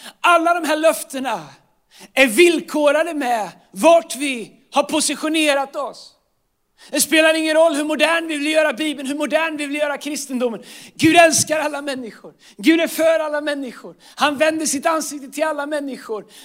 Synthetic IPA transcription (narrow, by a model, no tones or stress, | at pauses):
alːad̪ɔmɦæːɭœft̪əɳa | æɾvɪlkʰoːɾad̪əmɛ | vaʈvɪ | haɾpʰʊsɪɧʊneːɾat̪ɔs | d̪̥ɛspeːlaɾɪŋːənɾɔlːhɵɾmʊd̪æːɳvɪvɪljœːɾabiːbəlnhɵɾmʊd̪æːɳvɪvɪljœːɾakʰɾɪst̪ənd̪ʊmːənɡʉ̟ːd̪ɛlskaɾalːamɛnːɪɧʊɾ | ɡʉ̟ːd̪æɾfœɾalːamɛnːɪɧʊɾ | hanvɛnd̪əʂɪt̪ansɪk̚t̪ət̪ʰɪlalːamɛnːɪɧʊɾ